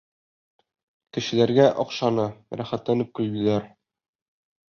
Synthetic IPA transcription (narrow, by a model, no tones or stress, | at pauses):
kɘ̆ɕɘ̆læɾɡæʔɒqʃɑnɤɾæχæt̪lænɘp̚kʉ̆lbilæɾ